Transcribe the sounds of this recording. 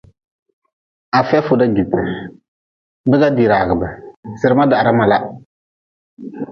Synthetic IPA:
a˨fɛ˦fʊ˨da˦ɡi˨tːɪ˨ | bɪ˦ɡa˦di˨ɾaː˨ɡɨ˨bɛ˨sɪ˨ɾɪ˦ma˦da˨ɾa˦ma˨la˦

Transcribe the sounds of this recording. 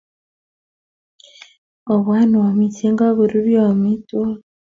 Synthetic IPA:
o˨βwaː˦ni˨wa˨mi˨ti˦ŋɡa˦βu˨ɾu˦ɾjo˨mi˦to˦

